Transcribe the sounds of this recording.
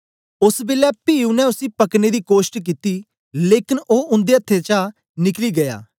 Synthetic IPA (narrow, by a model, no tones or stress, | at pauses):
ʊsbɪlɛːpiːunɛ̃ʊsĩːpəkned̪iːkoːʃʈk̬it̪iː | leːkɪnʔoːʊ̃nd̪eːət̪ʰːet͡ʃa | nɪkliːɡɐja̰ː